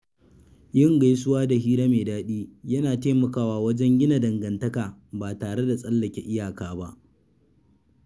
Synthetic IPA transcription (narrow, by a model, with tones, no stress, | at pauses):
jɪ˦ŋɡa˨js̬ʊ˦waː˦da˨ɦiː˦ɾa˦meː˨daː˦ɗiː˦jɐ˦naː˨teː˦mɐ˨kaː˦waː˦wɐ˦d͡ʒɛ˦ŋɡʲɪ˦na˨dɐ˨ŋɡɐ˨ntɐ˦kaː˨baː˨taː˨ɽe˦da˨sʼɐ˦lːɐ˨kʲe˦ʔɪ˦jaː˨kaː˨ba˦ʔ